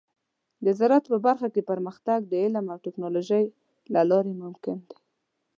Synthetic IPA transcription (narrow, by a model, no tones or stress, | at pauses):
d̪əzaɾat̪pəbaɾxakepəɾməxt̪aɡ̚d̪əɪlamawʈɪknɑloʒəj | lalɑɾemʊmkɪnd̪e̥